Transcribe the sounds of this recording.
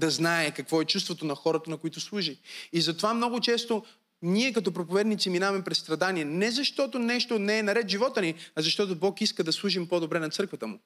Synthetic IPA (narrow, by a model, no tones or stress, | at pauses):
d̪ɐznaɛkɐkvɔɛt͡ʃust̪vot̪onɐxɔɾət̪ənɐkoit̪ʊslˠuʒiizɐt̪ovamnɔɡʊt͡ʃɛst̪o | niɛkɐt̪ɔpɾopovɛd̪nit̪siminavɐmɛpɾɛsst̪ɾɐd̪aniɛnɛzɐʃt̪ɔt̪onɛʃt̪onɛːnɐɾɛt̪ʒivɔt̪əniɐzɐʃt̪ɔt̪obɔkiskəd̪ɐslˠuʒimpɔd̪obɾɛnɐt̪sɤɾkvɐt̪əmʊ